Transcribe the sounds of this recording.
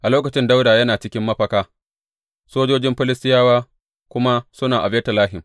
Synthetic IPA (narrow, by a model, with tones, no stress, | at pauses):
ʔa˨loː˦kɐ˨t͡ʃɪ˦nda˦wdaː˨jɐ˦naː˨t͡ʃɪ˦kʲɪ˦mːɐ˦ɸɐ˦kaː˦ | soː˦d͡ʒoː˦d͡ʒɪ˦mɸɪ˦lɪ˦stɪ˦jaː˦waː˦ | kʷʊ˦ma˦sʊ˦naː˨ʔa˨bɛː˦tɐ˨laː˦ɦɪ˨m